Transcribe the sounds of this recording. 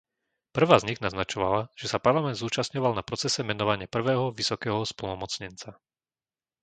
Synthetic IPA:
pr̩ʋaːzɲiɣnaznat͡ʃɔʋa̰laʒ̥ɛsapaɾlamɛnd̪zuːt͡ʃastɲɔʋalnapɾɔt͡sɛsɛmɛnɔʋaɲɪapr̩ʋɛːɦɔʋisɔkɛːɦɔspl̩nɔmɔt͡sɲɛnt͡sa

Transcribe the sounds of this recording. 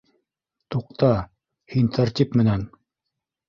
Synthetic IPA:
t̪uq̚t̪ɑ | hint̪ʰaɾt̪ʲipmɘ̆næn

